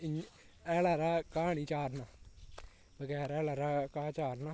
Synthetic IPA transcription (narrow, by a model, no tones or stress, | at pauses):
ɛːlaːɾaːkaːɳ̃iːt͡ʃaːɾnaː | bəɡɛːɾɛːlaːɾaːkaːt͡ʃaːɾnaː